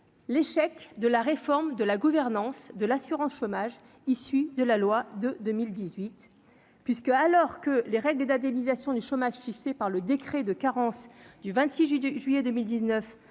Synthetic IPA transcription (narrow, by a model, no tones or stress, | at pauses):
leʃɛkd̪əlaʁefɔʁmd̪əlaɡuvɛʁnɑ̃sd̪əlasyʁɑ̃sʃomaʒ | isyd̪əlalwad̪əd̪əmild̪izɥit̪ | pɥiskalɔʁkəleʁɛɡləd̪ãd̪emizasjɔ̃d̪yʃomaʒfiksepaʁləd̪ekχed̪əkaʁɑ̃sd̪yvɛ̃t̪siʒʒɥijɛd̪əmild̪iznœf